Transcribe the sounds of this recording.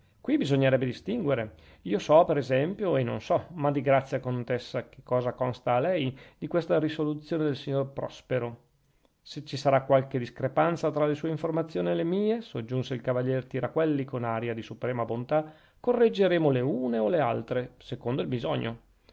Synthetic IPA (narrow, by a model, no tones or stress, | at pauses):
kwibizoɲːeɾɛbːed̪ist̪iŋɡweɾe | iːosɔpeɾezɛmpjoenːo̰nsɔmad̪iɡɾat̪sːjakont̪esːak̟e̥kːɔːzakɔnst̪aːlɛjd̪̥ikwest̪aɾisolut̪sjoːned̪elsiɲːorpɾɔ̰speɾo | set͡ʃːisaɾakːwalked̪iskɾepant̪sat̪ɾalesuːeiɱformat̪sːjoːnilemiːesod͡ʒːunseilkavaʎːɛːrt̪iɾakwɛlːikonaɾjad̪isupɾɛːmabont̪a | korːed͡ʒːeɾeːmoleuːneolea̰lt̪ɾesekond̪oilbizɔɲːo̰